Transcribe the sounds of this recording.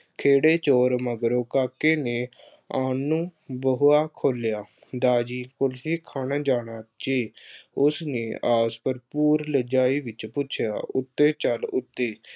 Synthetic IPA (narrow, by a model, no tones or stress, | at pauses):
kʰeːɽeːt͡ʃoːɾməɡɾoːkaːkeːneː | aːnũːbəɦʊaːkʰoːljaːd̪aːd͡ʒiːkʊlsiːkʰaːnaːd͡ʒaːɽ̃aːt͡ʃeːʊsneːaːspəɾpuːɾləd͡ʒaːiːʋɪt͡ʃpʊːt͡ʃʰɪja̰ːʊt̪ːeːt͡ʃəlʊt̪ːeː